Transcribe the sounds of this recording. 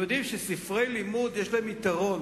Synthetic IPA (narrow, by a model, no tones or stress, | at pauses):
jod̪imʃesifʁejlimud̪jeʃlamit̪aʁon